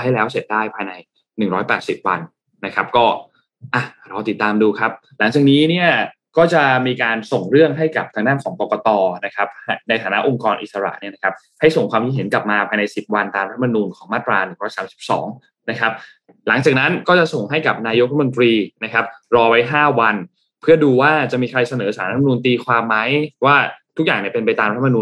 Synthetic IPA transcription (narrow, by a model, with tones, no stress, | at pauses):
ha˥˩jlɛː˦˥wse˨˩t̪̚daː˥˩jpʰaː˧jna˧j | nɯ˨˩ŋɾɔː˦˥jpɛː˨˩t̪̚si˨˩p̚wa˧nː | a˦˥kʰa˦˥p̚kɔː˥˩ | ʔa˨˩ɾaː˧t̪i˨˩t̪ːaː˧mduː˧kʰa˦˥p̚ | la˨˩˦ŋt͡ɕaː˨˩niː˦˥ni˥˩ɐ | kɔː˥˩t͡ɕa˨˩miː˧kaː˧nso˨˩ŋɾɯ˥˩əŋɦa˥˩jka˨˩p̚t̪ʰaː˧ŋdaː˥˩nkʰɔː˩˦ŋpɔː˨˩kɔ˧t̪ɔː˧na˦˥kʰa˦˥p̚ha˥na˧jt̪ʰaː˨˦na˦˥ʔo˧ŋkɔː˧nʔi˨t̪̚sa˧ɾa̰˨˩ʔni˥˩ɐna˦kʰa˦˥p̚ | ha˥˩jso˨˩ŋkʰwaː˧mki˦˩ɦe˩˦nka˨˩p̚maː˧pʰaː˧jna˧jsi˨˩p̚wa˧nt̪aː˧mɾa˦˥a˧mːa˧nuː˧nkʰɔː˩˦ŋmaː˥˩t̪ɾaː˧nɯ˨˩ŋɾɔː˨˦˥jsaː˩˦msi˨˩p̚sɔ̰ː˩˦ŋ | na˦˥kʰa˦˥p̚ | la˩˦ŋt͡ɕaː˨˩na˦˥nkɔː˥˩t͡ɕa˨˩ʔso˨˩ŋɦa˥˩jka˨˩p̚naː˧jo˦˥k̪̚ʰmo˧nt̪ɾiː˧na˦˥kʰa˦˥p̚ɾɔː˧wa˦˥jɦaː˥˩wa˧n | pʰɯ˥˩ɐduː˧waː˥˩t͡ɕa˨˩miː˧kʰɾa˧jsa˧nɤː˩˦˥saː˨˩˦ɾʰm˧uː˧nt̪iː˧kʰwaː˧mːa˦˥jwaː˥˩t̪ʰu˦˥k̚jaː˨˩ŋni˥˩pe˧np̬a˧jt̪aː˧mɾt̪ʰːa˧mː˧nuː˧